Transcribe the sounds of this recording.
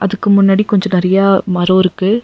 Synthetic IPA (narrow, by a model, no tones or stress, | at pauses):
ʔɐðɯkːɯmʊnːaːɽikɔɲd͡ʒɔ̃nɪɾɐjaːmɐɾoːɪɾɯkːɯ